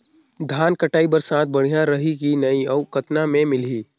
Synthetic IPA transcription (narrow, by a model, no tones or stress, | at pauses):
d̪ʱaːnkɐʈaːibɐɾsãːt̪̚ʰbɐɽ̤ijaɾɐɦikinɐiɐʊkət̪namẽmɪliː